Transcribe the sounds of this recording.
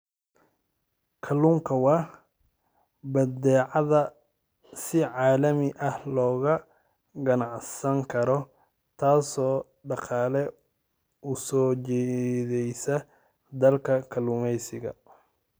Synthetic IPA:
kʰɐluːŋkʰɐwɑː | bɐd̪ɛːʕɑðɐ | sɪʕaːlɐmɪʔɐhlɔːɣɐ | ɡɐnɑʕsɐŋkʰɐɾɔ | t̪ʰaːsɔː | ɖɑqɑːlɛ | usɔːt͡ʃɛːðɛjsɐ | d̪ɐlkʰɐkʰɐlumɛjsɪɣɐ̰

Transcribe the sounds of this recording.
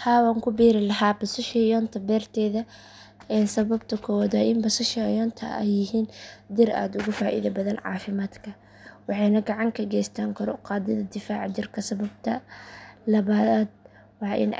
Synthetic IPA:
haːwaːŋkʰʊbiːɾɪlɐɦaːbɐsʊʃjɔːnt̪ʰɐbɛːrt̪ʰɛːðɐ | ɛnsɐβɐb̚t̪ʰɐkʰɔwðɐʔɪmbɐsɐʃɐjɔːnt̪ʰɐ̰ɛ̰jːɪɦiːnd̪ɪɾa̰ːd̪ʊɣʊfaːʔḭːðɐbɐðɐnʕɑ̰ːfɪmaːd̪kʰɐ | wɑħɑjnɐɡɑʕɑŋkʰɐɡɛːjst̪ʰaːŋkʰɐɾɔ̰qɑːd̪ɪðɐd̪ɪfaːʕd͡ʒɪrkʰɐsɐβɐb̚t̪ʰɐ | lɐβaːd̪̚ | wɑːʔɪ̰n

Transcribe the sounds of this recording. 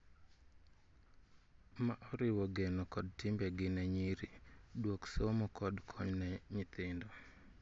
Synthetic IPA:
maʔɔɾɪwɔɡenɔkɔd̚tɪmbɛɡɪnɛɲiɾidwoksomɔkɔdkʰɔɲnɛɲɪt̪ɪndo

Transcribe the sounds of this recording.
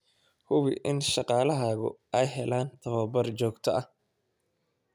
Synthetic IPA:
hʊβɪʔɪnʃɑqɑːlɐɦaːɣʊ̰ɛjɦɛlaːnt̪ʰɐβɐbɐrt͡ʃɔːɡt̪ʰɐʔɐ

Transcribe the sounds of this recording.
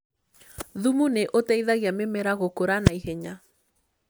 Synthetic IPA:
ðumuneʔotɛiðaɣiamemɛɾaɣokoɾanaihɛɲa

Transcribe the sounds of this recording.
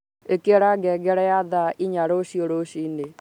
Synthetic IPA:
ekeɾaɡɛɡɛɾɛjaðaiɲaɾoʃioɾoʃine

